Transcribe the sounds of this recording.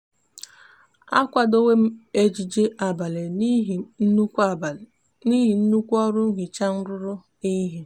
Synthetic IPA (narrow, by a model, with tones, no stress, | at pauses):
a˦kʷa˨do˦we˦m̩˦e˦d͡ʒi˨d͡ʒe˦ʔa˨ba˨le˨˦˨n̩˦˨ | ni˦ɦi˨n̩˦nu˦kʷɔ˦ɾʊ˦ŋ̩˦ɦɪ˨t͡ʃa˦n̩˦ɾʊ˦ɾʊ˦ | i˦ɦi˨